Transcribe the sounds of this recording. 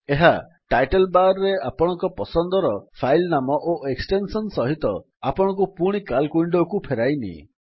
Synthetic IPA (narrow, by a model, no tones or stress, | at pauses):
eɦa | ʈajʈelbaɾɔɾeapɔɽ̃ɔŋkɔpɔsɔnd̪ɔɾɔpʰajlnamɔʔoeksʈensɔnsɔɦit̪ɔ | apɔɽ̃ɔ̃ŋk̬upuɽ̃ikalkuiɳɖɔkupʰeɾajnḭ